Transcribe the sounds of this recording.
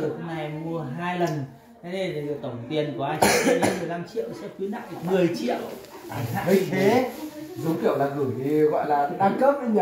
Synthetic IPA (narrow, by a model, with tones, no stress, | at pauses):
ho˧ŋ͡mna˨˩jmu˧əɦaː˧jlə˨˩n˧˦˧ | ɗe˨˩˨t̪ə˧˩wŋ͡mt̪i˧ənkwʔaː˧jt͡ɕḭ˧˦e˨˦mɨ˨˩əjla˧mt͡ɕḭ˧˨əwsɛ̰˧˥kwi˨˦na̰ː˧˨ŋɗɨ˨˩mɨ˨˩əjt͡ɕḭ˧˨əw | ʔa˨˩a̰ː˧ə˨˦˧e˨˦zu˨˦ŋ͡mkḭ˧˨ə˨wlaː˨˩ɣɨ˧˩jt̪ʰi˨˩ɣɔ̰˧˨jlaː˨˩˧ɗaː˧ŋkəː˦˥p̚ʔi˧ɲa˨